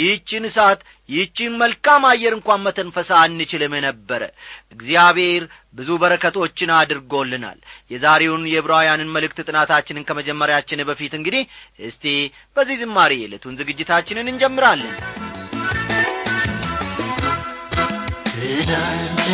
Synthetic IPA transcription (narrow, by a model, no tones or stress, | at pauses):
jɪt͡ʃːɪnɨsat̪ | jɪht͡ʃːɪnməlkʼamajɛɾɨŋkʷanmət̪ʰənfəsaɨnːɨt͡ʃɪlɨmjɛnəbːəɾə̰ʔɨɡzijaβhe̞ɾ | bɨzubəɾəkʰət̪ʰo̞t͡ʃːɪnad̪ɨɾɡo̞lːɨna̰ljɛzaɾe̞wnjɛβɾajanɨnməlɨkt̪ɨt̪ʼɨnat̪ʰat͡ʃːɪnɨnkʰəməd͡ʒɛmːəɾjat͡ʃːɪnɨbəfit̪ɨŋɡɨd̪ihhɨst̪ʰe | b̥əzːihzɨmːaɾijɛlət̪ʰunzɨɡɨd͡ʒːɪt̪ʰat͡ʃːɪnɨnɨnd͡ʒɛmːɨɾalːəɲ